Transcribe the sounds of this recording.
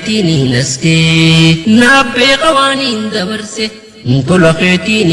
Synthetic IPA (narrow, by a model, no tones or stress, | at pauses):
t̪ininɐskenabeːkɐwaːnind̪ɐbɐɾse | n̩t̪olɐxeːt̪iːn